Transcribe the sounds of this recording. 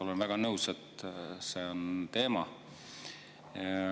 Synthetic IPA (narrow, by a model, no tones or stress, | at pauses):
o̞lenvæɡ̥ɑnɤwset̪seont̪e̞ːmɑ